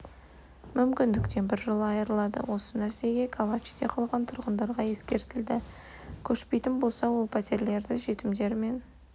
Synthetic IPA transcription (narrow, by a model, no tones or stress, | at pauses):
mʏmkʲɪnd̪ɪkt̪e̞nbɪɾʒəlˠɑjəɾəlˠɑd̪ə̰wo̞sənæɾse̞ɡʲe̞kʰavat͡ʃid̪eqʰɑlˠʁɑnt̪ʰʊɾʁənd̪ɑɾʁɑje̞skʲe̞ɾt̪ɪld̪ɪ | kʲʰɵʃpe̞jt̪ɪnbo̞lˠsɑwo̞lˠpʰat̪e̞ɾle̞ɾd̪ɪʒe̞t̪ɪmd̪e̞ɾme̞n